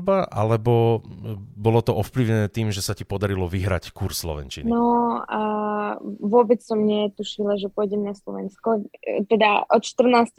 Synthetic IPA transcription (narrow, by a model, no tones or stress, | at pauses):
baʔalɛbɔ | bɔlɔt̪ɔʔɔfpliʊɲɛnɛːt̪iːmʒɛsacipɔd̪aɾilɔʋiɦɾa̰ckuɾsːlɔ̰ʋɛ̰nt͡ʃinnɔ | ʋʊɔbɛt͡ssɔmɲɛt̪uʃilaʒɛpɔjɟɛmnaslɔʋɛnskɔt̪ɛd̪aʔɔt̪ʃt̪r̩naːst